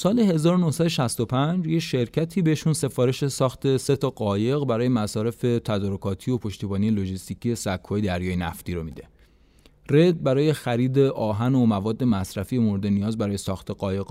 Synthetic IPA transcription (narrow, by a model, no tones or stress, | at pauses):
sɒːle̞he̞zɒːɾonohsæd̪oʃæst̪o̞pʰænd͡ʒjeʃe̞ɾcʰæt̪ʰiːbeeʃunse̞fɒːɾe̞ʃe̞sɒːxt̪ʰe̞se̞t̪ʰɒɢɒːje̞ɣbæɾɒːje̞mæsɒːɾe̞fe̞t̪ʰæd̪ɒːɾokʰɒːt̪ʰiːo̞pʰo̞ʃt̪iːbɒːnijelo̞d͡ʒist̪icʰiesækʰːɒːjed̪æɾjɒːjenæ̰ft̪iɾomid̪e̞ | re̞d̪̚bæɾɒːje̞xæɾiːd̪e̞ʔɒːɦænomævɒːd̪ːe̞mæsɾæfijemoɾed̪e̞nijɒːzbæɾɒːje̞sɒːxt̪ʰeɡɒːje̞ɡ